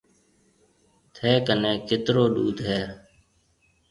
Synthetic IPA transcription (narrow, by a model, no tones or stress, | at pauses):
t̪ʰɛːkənẽːkɪt̪ɾoːɗuːd̪ʱɦɛː